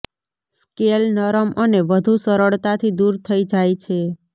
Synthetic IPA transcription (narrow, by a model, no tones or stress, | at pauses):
skelnəɾəmʔəneʋəd̪ʱusəɾəɭt̪at̪ʰid̪uɾt̪ʰəid͡ʒajt͡ʃʰe